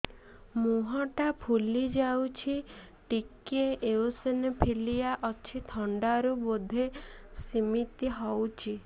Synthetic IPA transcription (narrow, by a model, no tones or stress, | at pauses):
muɦɔʈapʰulid͡ʒawt͡ʃʰi | ʈikeʔeosenepʰilijaʔɔt͡ʃʰit̪ʰɔɳɖaɾubod̪ʱesimit̪iɦɔwt͡ʃʰi